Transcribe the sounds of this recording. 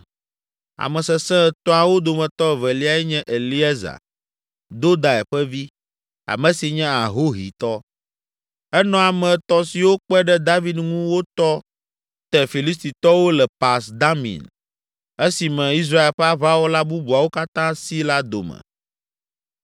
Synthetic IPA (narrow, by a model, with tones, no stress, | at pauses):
a̰˨mɛ̃˨sɛ˨sɛ̃˦˨t̪ɔ̃˦a˨wo˦d̪o˨mɛ̃˨t̪ɔ˦˨vɛ˨li˦a˨ɛ˦ɲɛ̃˦ʔe˨li˦ɛ˦za̰˨ | d̪o˦d̪a˨ɛ˨ɸɛ˦vi˦ | a̰˨mɛ̃˨si˨ɲɛ̃˦a˨ɦo˦ɦḭ˨t̪ɔ˦ | ɛ˦nɔ̃˨a˨mɛ̃˨t̪ɔ˦si˨wo˦k͡pɛ˦ɖɛ˦d̪a˦vi˦d̪ŋũ˦wo˦t̪ɔ˦ | t̪ɛ˨fi˨li˦st̪i˨t̪ɔ˦wo˦lɛ˨pa˨sd̪a˦mḭ̃˨n | e˦si˨mɛ̃˨i˦s̬ɾa˦e˨lɸɛ˦a˦va˦wo˦la˦bu˦bu˨a˨wo˦ka˦t̪ã˦si˦la˦d̪o̰˨mɛ̰˨